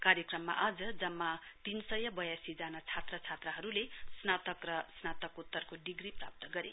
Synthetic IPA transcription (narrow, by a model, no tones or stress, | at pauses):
kaɾjʌkrʌmːa̰ʔad͡zʌd͡zʌmːat̪insʌjʌbʌjasid͡zanat͡sʰat̪rʌt͡sʰat̪rʌɦʌɾulesnat̪ʌkrʌsnat̪ʌkut̪ːʌrkoɖiɡripra̰p̚t̪ʌɡʌɾḛ